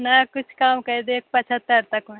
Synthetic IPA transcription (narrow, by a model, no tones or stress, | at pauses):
nɐkʊt͡ʃʰkaːmkɐɾed̪eːk̚pɐt͡ʃʰət̪ːəɾt̪ɐk